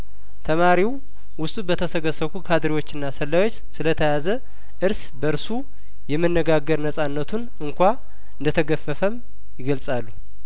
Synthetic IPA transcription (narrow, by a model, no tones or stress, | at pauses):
t̪ʰəmaɾiw | wʊst̪ʼubət̪ʰəsəɡəsəkukʰad̪ɾiwo̞t͡ʃːɨnːasəlːawo̞t͡ʃːsɨlət̪ʰəjazə | ʔɨɾs | bəɾsu | jɛmːɨnːəɡaɡːəɾnəsʼanːət̪ʰun | ɨŋkʷa | ɨnd̪ət̪ʰəɡəfəfəm | jɪɡəlsʼalːu